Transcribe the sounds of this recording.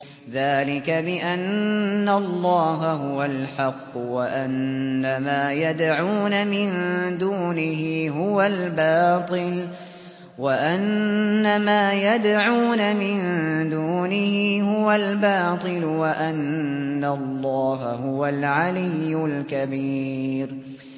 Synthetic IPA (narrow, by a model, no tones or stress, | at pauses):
ðaːlɪkabɪʔanːalˤːɑːɦaɦʊwalħɑqːwaʔanːamaːjad̪ʕuːnamɪnd̪uːnɪɦɪɦʊwalbɑːt̪ˤɨl | waʔanːamaːjad̪ʕuːnamɪnd̪uːnɪhɪhʊwalbɑːt̪ˤɨlwaʔanːalˤːɑːɦahʊwalʕalɪjːʊlkabiːɾ